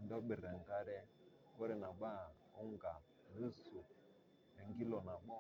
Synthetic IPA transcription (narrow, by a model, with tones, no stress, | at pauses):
ndɔ˦ɓɪ˨ɾɛ˨ŋ˨ɡa˦ɾɛ˦ | ɔ˦ɾɛ˨na˨ɓa˦˨ | o˦ŋɡa˨ | ni˦su˨ | ɛ˨ŋɡi˦lɔ˨na˨ɓɔ˦